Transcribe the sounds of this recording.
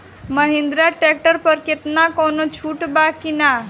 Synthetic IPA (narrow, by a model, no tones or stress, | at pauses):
məɦɪ̃nd̪ɾaʈek̚ʈəɾpəɾkɪt̪nakoːnot͡ʃʰuːʈbakina